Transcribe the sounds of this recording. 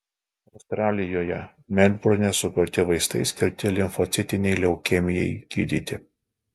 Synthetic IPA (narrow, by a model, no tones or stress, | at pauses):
ɐʊst̪ɾɑːlʲɪjoːjɛ | mʲɛnʲbʊɾnʲɛsʊkʊɾʲt̪ʲɪʋɐɪst̪ɐɪsʲkʲɪɾʲt̪ʲɪlʲɪnfɔt̪sʲɪt̪ʲɪnʲɛɪlʲɛʊkʲɛmʲɪjɛɪɡ̥ʲḭːd̪ʲiːt̪ʲɪ